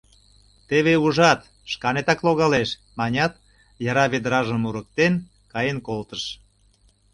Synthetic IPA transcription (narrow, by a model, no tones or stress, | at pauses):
t̪eβeuʒɑt̪ | ʃkɑnet̪ɑkloɣɑleʃ | mɑnʲɑt̪ | jɑɾɑβed̪ɾɑʒəmuɾək̚t̪en | kɑjenkolt̪əʃ